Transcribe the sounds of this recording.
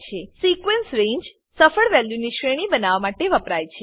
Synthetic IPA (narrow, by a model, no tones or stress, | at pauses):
t͡ʃʰesikʋensɾẽɲd͡ʒ | səfəɭʋɛljuniʃɾeɽ̃ibənaʋamaʈeʋəpɾajt͡ʃʰe